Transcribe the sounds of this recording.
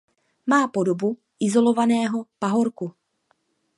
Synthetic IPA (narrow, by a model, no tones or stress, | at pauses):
maːpo̞do̞bu | ʔɪzo̞lo̞vanɛːɦo̞paɦo̞ɾku